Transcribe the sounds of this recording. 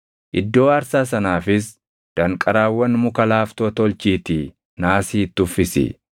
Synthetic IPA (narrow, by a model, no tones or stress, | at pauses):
ʔɪd̪ːo̞ːɐɾsaːs̬ɐnaːfɪs | d̪̥ɐŋkʼɐɾaːwːɐnmʊkɐlaːft̪ot̪ɔlt͡ʃiːt̪ɪ | naːsiːt̪ːʊfːɪsɪ̰